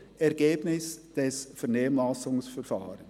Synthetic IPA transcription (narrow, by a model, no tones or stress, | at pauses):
ɛʁɡ̥eːbnɪsd̥ɛsfɛʁneːəmlasʊŋsfɛɾfaːɾən